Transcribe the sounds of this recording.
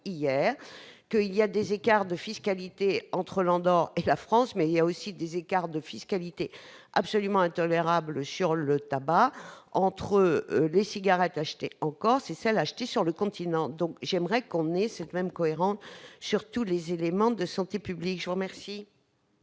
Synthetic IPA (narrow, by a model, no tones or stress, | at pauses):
ijɛːʁkəilijad̪ezekaʁd̪əfiskalit̪eɑ̃t̪χəlɑ̃d̪ɔʁelafχɑ̃smɛiljaosid̪ezekaʁd̪əfiskalit̪e | ʔa̰psɔlymɑ̃ɛ̃t̪ɔleʁabləsyʁlət̪abaɑ̃t̪χəlesiɡaʁɛt̪aʃt̪eɑ̃kɔʁsɛsɛlaːʃt̪esyʁləkɔ̃t̪ʰinɑ̃d̪ɔ̃kʒɛmʁɛkɔ̃nɛsɛt̪mɛmkɔeʁɑ̃sːyʁt̪ulezelemɑ̃d̪əsɑ̃t̪epyblikʒəvuʁmɛʁsi